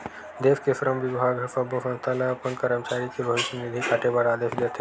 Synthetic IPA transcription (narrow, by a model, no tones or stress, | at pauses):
d̪eʋkesɾəmʋibʱaɡəfəbosə̃nst̪ʰalaːpəɳkəɾəmt͡ʃaɾikebʱəʋiʃənid̪ʱikaʈebaɽad̪eʃd̪et̪ʰe